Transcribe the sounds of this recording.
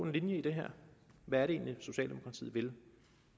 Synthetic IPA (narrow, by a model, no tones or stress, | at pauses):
e̝nlinjəid̥e̝ɦæɐ̰ʋæɐɾee̝̰ːnliso̝ɕɛ̰ːldemo̝kʰɑ̈t͡sʰḭð̰̩ˠʋe̝l